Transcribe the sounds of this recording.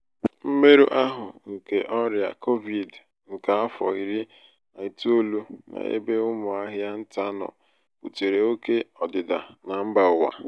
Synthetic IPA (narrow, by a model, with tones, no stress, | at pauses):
m̩˦me˦ɾu˦ʔa˦ɦʊ˨ŋ̩˨ke˨ʔɔ˦ɾja̰˨ko˦vi˨d | ŋ̩˨ka˨a˦fɔ˨i˨ɾi˦ | a˨i˨to˦lu˦na̰˨ḛ˦be˦ʊ˦mʊ˨a˦ɦja˦n̩˦ta˦nɔ̰˨ | pṵ˨te˨ɾe˨o˦ke˦ɔ˨dɪ˨da˨na˨m̩˦ba˨ʊ˨wa̰˨